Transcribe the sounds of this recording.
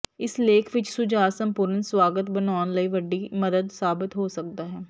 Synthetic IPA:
ɪsleːkʰʋɪt͡ʃsʊd͡ʒaːsəmpʊːɾənswaːɡət̪bənaːnləiːʋəɖːiːməd̪əd̪saːbɪt̪ɦoːsək̚d̪aːɦɛː

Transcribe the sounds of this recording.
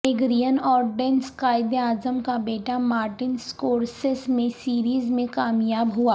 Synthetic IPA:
eɡɾijənɔːɾɖeːnskaːɪd̪eaːzəmkabeːʈamaːɾʈɪnskoːɾsɪsmẽsiːɾiːzmẽkaːmjaːbɦuaː

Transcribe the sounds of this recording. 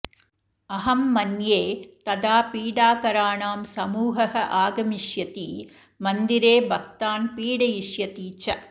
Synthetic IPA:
ɐɦɐmːɐnjeːt̪ɐd̪aːpiːɽaːkɐɾaːɳaːmsɐmuːɦɐhɐʔaːɡɐmiʂjɐt̪iː | mɐnd̪iɾeːbɐk̚t̪aːnpiːɽɐjiʂjɐt̪iːt͡ʃɐ

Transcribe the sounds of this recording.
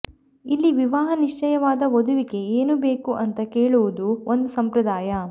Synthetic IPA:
ilːiʋiʋaːɦɐniʂt͡ʃɐjɐʋaːd̪ɐod̪uʋiɡe̞eːnube̞ːkuʔɐnt̪ɐkeːɭuʋud̪uond̪usɐmpɾɐd̪aːjɐ

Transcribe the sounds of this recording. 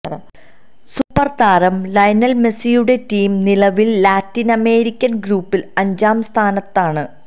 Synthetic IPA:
supːɐrt̪aːɾɐmlɐjnɐlmesijuɽe̞tiːmnilɐʋilːaːtːinɐme̞ːɾikʲːɐnɡɾuːpːilɐɲd͡ʑaːmst̪ʰaːnɐt̪ːaːɳɨ

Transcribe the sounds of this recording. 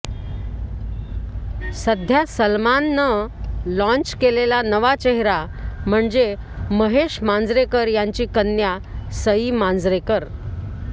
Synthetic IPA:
səd̪ʱjasəlmanːəlɔ̃ɲt͡ɕkelelanəʋat͡ɕeɦɾa | m̤əɳd͡ze | məɦeʂmand͡zɾekəɾjaɲt͡ɕiːkənːjasəimand͡zɾekəɾ

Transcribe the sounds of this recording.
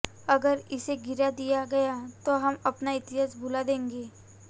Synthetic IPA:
ɐɡəɾɪseɡɪɾad̪ijaɡɐjat̪oɦɐmɐpnaɪt̪ɪɦaːsbʱulad̪ẽːŋɡeː

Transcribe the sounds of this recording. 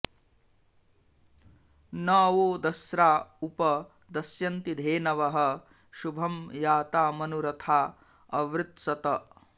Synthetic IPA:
naːʋoːd̪ɐsɾaːupɐ | d̪ɐsjɐnt̪id̪ʱeːnɐʋɐɦɐ̆ | ʃubʱɐmjaːt̪aːmɐnuɾɐt̪ʰaː | ɐʋɾɪt̪sɐt̪ɐ

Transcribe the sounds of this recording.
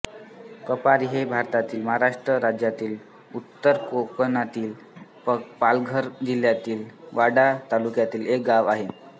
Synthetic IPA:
kəpaɾiɦebʱaɾt̪at̪iːlməɦaɾaʂʈɾəɾad͡ʑjat̪iːl | ut̪ːəɾkoknat̪iːl | pəpalɡʱəɾd͡ʑil̤jat̪iːlʋaɽat̪alukjat̪iːlek̚ɡaʋaɦe

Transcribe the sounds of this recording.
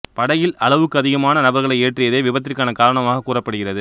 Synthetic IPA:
pɐɽɐjɪlɐlɐʋɯkːɯɐðɪɣɐmaːnɐnɐbɐɾɣɐɭɐɪeːʈrɪjɐðeːʋɪbɐt̪ːɪɾkːaːnɐkaːɾɐɳɐmaːɣɐkːuːrɐpːɐɽɯɣɪrɐðɯ

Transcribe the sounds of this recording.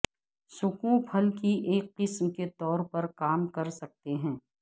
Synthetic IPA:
sʊkũpʰɐlkiʔeːkːɪsmket̪ɔːɾpɐɾkaːmkɐɾsɐk̚t̪eɦɛ̃ː

